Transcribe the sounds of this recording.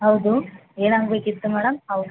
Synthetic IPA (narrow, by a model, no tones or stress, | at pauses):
ɦɐwd̪ueːɽaŋɡekit̪ːumɛːɽɐmɦɐwd̪u